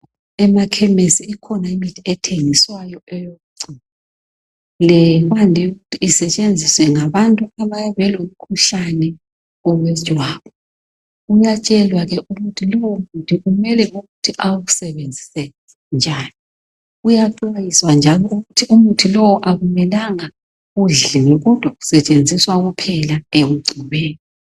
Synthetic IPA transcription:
ɛmakʰɛmesiikʰɔnaimitʰiɛtʰeŋiswajɔɛjoɣuǀina | lɛɣandʱijuɣutʰiːsɛt͡ʃʼend͡zʱiswɛŋaβantʼuaβajaβɛlom̩kʰuɬanɛ | ɔɣwɛ̥t͡ʃʼwaːβʰɔ | ujat͡ʃʼɛlwaɣɛʔuɣutʰilɔwɔmutʰiumɛlɛʔuɣutʰiʔawɣusɛβend͡zʱi̥sɛ | nd͡ʒʱaːni | ujaǀajiswand͡ʒʱalɔuɣutʰiumutʰilɔwɔʔaβumɛlaŋa | ɣuɮiŋiɣud̥ʱoɣu̥sɛt͡ʃʼend͡zʱiswaɣupʰɛlaem̩ɡ͡ǀʱiβeːni

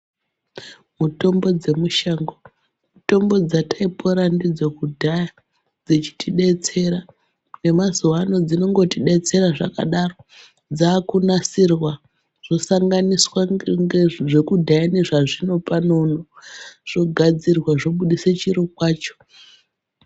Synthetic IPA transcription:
muto̞mbo̞d͡ze̞muʃaŋɡo | muto̞mbo̞d͡zataipʰo̞ɾandid͡zokudʱaja | d͡zet͡ʃi̥tʰiɗe̞t͡se̞ɾa | ne̞mazuwano̞d͡zino̞ŋɡo̞tiɗe̞t͡se̞ɾaʐa̰ka̰ɗaro̞ | d͡zaːkunasirwa | ʐ̥o̞saŋɡaniswaŋɡʐe̞kudʱajane̞ʐaʐino̞pano̞noʐ̥o̞ɡʱad͡zirwaʐoɓuɗiset͡ʃiɾukwaːt͡ʃo̥

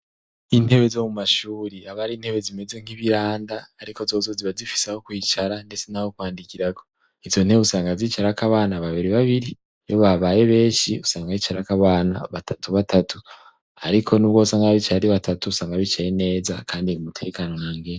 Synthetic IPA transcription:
in̥he̞βe̞zo̞mumaʃuːɾiaβaɾiːn̥he̞βe̞zime̞ze̞ŋ̥hiβiɾaːndaːɾiko̞zozo̞ziβazifi̥saho̞kwiːt͡ʃaɾande̞t͡senaho̞kwaːndikiɾaɡo̞ | izo̞n̥heusaːŋɡaziːt͡ʃaɾakaβaːnaβaβiɾiβaβiɾi | jo̞βaβaje̞βe̞ːʃiusaːŋɡait͡ʃaɾakaβaːna̰βatʰatuβatʰatu | aɾikʰo̞nuβɡwo̞ːsaŋɡaβit͡ʃaɾiβatatuusaːŋɡaβit͡ʃaɾine̞ːzakaːndiimutʰe̞kano̞naːŋɡeː

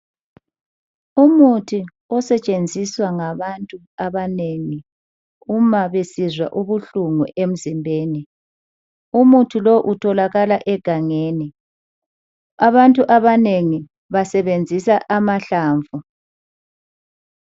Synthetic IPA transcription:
umutʰi | ɔsɛt͡ʃʼend͡zʱiswaŋaβantʼu | aβaneːŋi | umaβesizwa̰ʔuβuɬuŋuʔem̩zimbʱeːni | umutʰilɔʔutʰɔlaɣalaʔɛɡ̥ʱaŋeːni | aβantʼuʔaβaneŋi | βasɛβend͡zʱisaʔamaɬaːɱvu

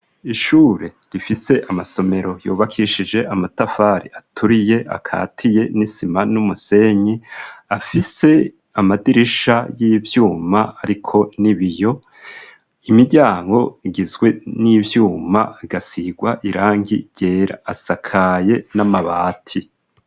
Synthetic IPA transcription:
iʃuːɾe̞ | ɾifise̞ʔamaso̞me̞ɾo̞joːβakʰiiʃid͡ʒe̞ʔamatafaːɾḭatʰuɾije̞ʔa̰kʰa̰ːtʰije̞nisimanumuse̞ɲiafise̞ | amadiɾiʃajiːvjuːmaːɾikʰo̞niβijo̞ | imiɟaːŋɡo̞iɡizɡwe̞niːvjuːmaɡasiɡwaʔiɾaːŋɡḭɟ̥e̞ːɾa̰ːsakʰaje̞namaβa̰ːtʰi

